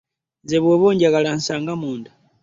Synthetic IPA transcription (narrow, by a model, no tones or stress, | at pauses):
nzeβweβuːɲɟaɣalan̩saːŋɡamuːnda